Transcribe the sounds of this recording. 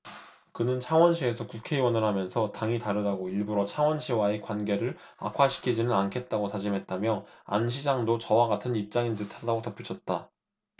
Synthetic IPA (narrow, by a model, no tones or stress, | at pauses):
kɯnɯnt͡ɕʰaŋwʌnɕʰie̞sʰʌkukʰe̞iwʌnɯɭɦamjʌnsʰʌtaŋitaɾɯdaɡoiɭbuɾot͡ɕʰaŋwʌnɕʰiwae̞kwanɡe̞ɾɯɭ | a̰kʰwaɕʰi̥kʰid͡ʑinɯnankʰe̞t̚t͈aɡotad͡ʑimɦe̞t̚t͈amjʌa̰nɕ̬ʰid͡ʑaŋdot͡ɕʌwaɡatʰɯnip̚t͡ɕ͈aŋindɯtʰadaɡotʌpʰjut͡ɕʰʌt̚t͈a